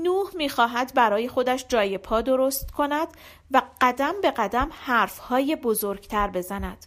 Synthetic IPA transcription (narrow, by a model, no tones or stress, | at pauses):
nuːhmiːxɒːɦæd̪bæɾɒːje̞xo̞d̪æʃd͡ʒɒːje̞pʰɒːd̪oɾo̞st̪kʰo̞næd̪ | væɢ̥æd̪æmbe̞ɢæd̪æmhæːɾfhɒːjebo̞zoɾɡt̪ʰæɾbe̞zænæd̪̥